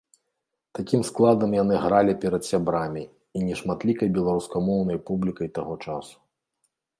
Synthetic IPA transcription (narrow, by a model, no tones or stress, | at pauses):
t̪akʲimsklˠad̪ɐmjan̪ɨɣɾalʲipʲɛɾɐt̪sʲabɾamʲi | inʲɛʂmat̪lʲikɐjbʲɛlˠaɾuskamɔwnɐjpublʲikɐjt̪aɣɔt͡ʂa̰su̥